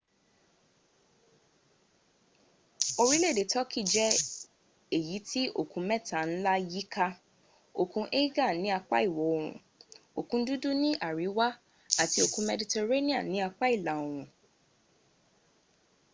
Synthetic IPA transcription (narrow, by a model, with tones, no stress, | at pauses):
o˧ɾi˦le˦˨de˨˦tɔ˦kʰi˦˨d͡ʒɛ˦ | e˦˨ji˨˦tʰi˦ʔo̰˦˨kũ˧mɛ̃˦˨ta˨n̩˦la˦ji˦kʰa˦ | o˨kũ˧ʔe˦ɡa˦˨nĩ˦a˧k͡pa̰˦i˦˨wɔ˨˦o˨ɾṵ̃˨ | o˨kũ˧˦du˦du˦nĩ˦ʔa˦˨ɾi˨˦wa˦ | a˦˨ti˧˦o˧kũ˧˦mɛ˧di˧te˧ɾe˦nĩ˦a̰˦˨nĩ˨˦a˧k͡pa˦i˦˨la˨˦o˨ɾ̃ũ˨